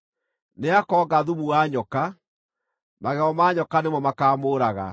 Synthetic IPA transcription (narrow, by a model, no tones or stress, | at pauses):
neakɔːɡaðumuwaɲɔka | maɣɛɔmaːɲɔkanemɔmakaːmoːɾaɣa̰